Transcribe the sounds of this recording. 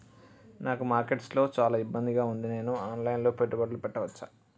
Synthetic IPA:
naːkumaːɾke̞ʈslo̞ːt͡ʃaːlaːibːɐnd̪iɡaːund̪ine̞ːnuaːnlajnlo̞ːpeʈːubɐɽɐlupɛʈːɐʋɐt͡ʃːa

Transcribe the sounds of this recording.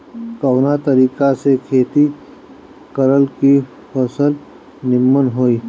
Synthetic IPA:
kəwnat̪əɾiːkasekʰeːt̪i | kəɾəlki | pəsəl | nɪmːənɦoːiː

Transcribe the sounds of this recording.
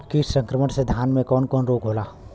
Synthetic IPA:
kisə̃ŋkɾəməɽsed̪ʱjaːnmẽkɔːnkɔːnɾoːɡɦoːlaː

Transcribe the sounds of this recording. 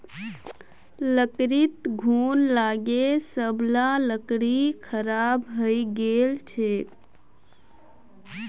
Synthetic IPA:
ləkɾit̪ɡʱuːnlaɡesəblaləkɽikʰəɾabɦəjɡelt͡ʃʰek

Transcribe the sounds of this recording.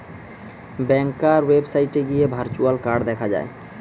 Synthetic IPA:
bɛŋkaɾwebsajʈeɡijebʱaɾt͡ʃualkaɾɖd̪ɛkʰad͡ʑa̰e

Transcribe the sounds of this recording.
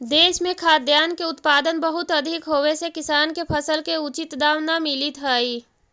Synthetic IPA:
d̪eːʃmẽkʰaːd̪jaːnkeʊt̪paːd̪ənbəɦʊt̪ɐd̪ʱɪkɦowesekɪsaːnkepʰəsəlkeʊt͡ʃɪt̪d̪aːwnamɪlit̪ɦəːi

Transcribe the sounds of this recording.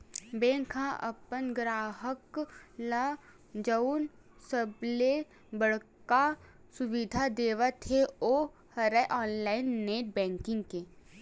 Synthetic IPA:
bẽːŋkʰãʔə̰pənɡɾaːɦəkla | d͡ʒəun | səble | bəɽ̤ka | sʊʋid̪ʱad̪eːʋat̪ʰeoː | hɐɾɛʔɔːnlaːɪnːeːʈ̚bɛ̃ːŋkɪ̃ŋɡke

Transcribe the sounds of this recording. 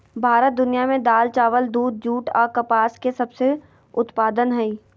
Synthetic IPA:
bʱaːɾət̪̚d̪ʊnijamẽd̪aːlt͡ʃaːʋəld̪uːd̪̚d͡ʒuːʈɔ̰ːɾkɐpaːskesɐbse | ʊt̪paːd̪ənɦɛĩ

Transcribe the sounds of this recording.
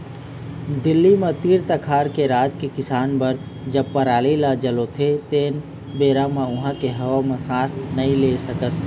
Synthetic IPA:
d̪ɪlːimet̪iːɾt̪əkʰaːɾkeɾaːd͡ʒkekɪsaːnpəɾ | d͡ʒəb̚pəɾaːlilad͡ʒəlot̪ʰet̪eːn | beːɾameʊɦãkeɦəʋamesãːsnəĩlesəkəs

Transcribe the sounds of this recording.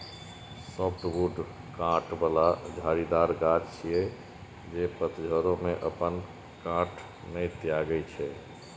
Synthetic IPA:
sɔp̚ʰʈbuʈ | kãʈbəlad͡ʒʱaɾid̪aɾɡad͡ʒt͡ʃʰijɛ | d͡ʒepət̪d͡ʒʱəɾomeʔəpən | kãʈʰ | nəjt̪ijaɡəjt͡ʃʰɛ

